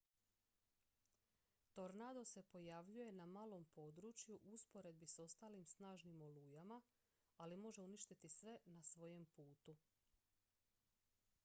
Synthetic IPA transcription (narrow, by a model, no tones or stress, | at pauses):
t̪o̞ɾnad̪o̞se̞po̞jaʋʎuje̞namaːlo̞mpo̞ːd̪ɾut͡ʃjuʔuspo̞ɾe̞d̪̚biso̞st̪aːlimsnaːʒnimo̞lujama | alimo̞ʒe̞uniʃt̪it̪isʋe̞nasʋo̞je̞mpuːt̪u